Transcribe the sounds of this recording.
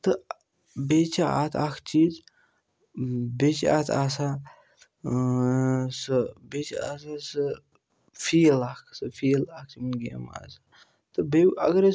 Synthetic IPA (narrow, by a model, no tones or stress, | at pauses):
t̪ə | bet͡ʃaat̪ʰakʰt͡ʃiːz | bet͡ʃa̰t̪ʰasa | səbet͡ʃa̰asasə | fiːlakʰsɨfiːlak̚ʰt͡ʃimɨnɡḛma̰sa | t̪ɨbeɐ̰ɡəɾe